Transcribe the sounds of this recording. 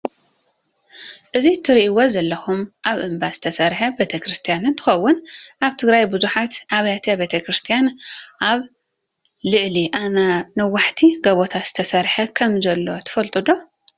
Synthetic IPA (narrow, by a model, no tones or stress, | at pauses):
ʔɨzit̪ʰɨɾiʔiwozɐlːɐxumʔaβʔɨmbaz̥ɨt̪ʰɐsɐɾħɐbet̪ʰɐkɾɨst̪ʰijanɨnt̪ʰɨ̥xɐwːʊnʔaβt̪ʰɨɡɾajbɨzuħat̪ʕaβɐjat̪ʰɐbet̪ʰɐkɾɨst̪ʰijanʔaβ | lɨʕliʔananɐwaħt̪ʰiɡɐβot̪ʰat̪z̥ɨ̥t̪ʰɐsɐɾħɐkʰɐmzɐlːo̞t̪ʰɨ̥fɐlt̪ʼɨd̪o̞